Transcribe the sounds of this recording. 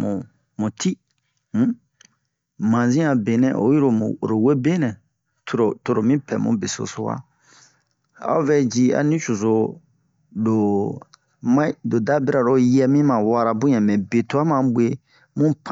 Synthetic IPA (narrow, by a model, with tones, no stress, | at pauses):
mũ˨ | mũ˨tʰi˦ | m̩˦ | mã˨zĩ˦ã˨be˨nɛ̰̃˦˨ʔo̰˨˦ji˦ɾo˨mũ˨ɾo˨we˦be˦nɛ̃˨ | tɾo˨to˦ɾo˨mĩ˦pʰɛ̰˨mṵ̃˦be˨so̰˨so˦wa̰˦ | a̰˦o˦vɛ˦d͡ʒi˧a̰˨nĩ˦t͡ʃu˨zo˨ | do˨ | mã˦do˨da˦be˦ɾa˨ɾo˨jɛ˧mĩ˦mã˨wa˦ɾa˨bũ˦ɲɛ̃˨mɛ̃˨be˨to˦a˦mã˨bwe˦ | mũ˦pʰ